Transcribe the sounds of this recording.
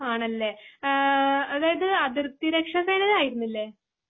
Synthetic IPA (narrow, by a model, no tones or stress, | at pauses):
aːɳɐlːe̞ | ɐðaːjɐðɨɐðirt̪iɾekʂɐseːnɐðaːjiɾunːilːeː